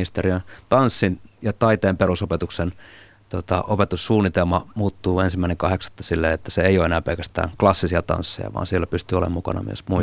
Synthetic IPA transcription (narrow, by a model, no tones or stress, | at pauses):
ist̪eriønt̪ɑnsːinjɑt̪ɑit̪eːmperusopet̪uksen | t̪ot̪ɑʔopet̪ussuːnːˑit̪elmɑmuːt̪ːuːensimːæˑineŋkɑheksɑ̥t̪ːɑ̥silːeet̪ːæseeioːenæːpelkæst̪æ̰ːŋklɑsːisiɑt̪ɑ̰nsːḛjɑ̰ʋɑ̰ːnsielːæpyst̪yːolḛmmukɑ̰nɑ̰my̰ø̰smu